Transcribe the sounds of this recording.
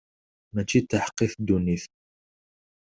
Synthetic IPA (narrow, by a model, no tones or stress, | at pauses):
mæt͡ʃit̪ːaħqːiθd̪uniθ